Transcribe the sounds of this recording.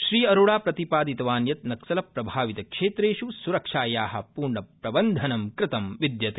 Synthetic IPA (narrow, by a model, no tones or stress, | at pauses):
ʃɾiːɐɾoːɽaːpɾɐt̪ipaːd̪it̪ɐʋaːnjɐt̪̚nɐksɐlɐpɾɐbʱaːʋit̪ɐkʂeːt̪ɾeːʃusuɾɐkʂaːjaːɦɐ̰̆puːɾɳɐpɾɐbɐnd̪ʱɐnɐmkɾɪt̪ɐmʋid̪jɐt̪